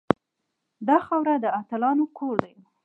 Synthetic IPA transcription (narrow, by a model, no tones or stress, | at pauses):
d̪ɑxawɾad̪əat̪əlɑnokʰoɽd̪aj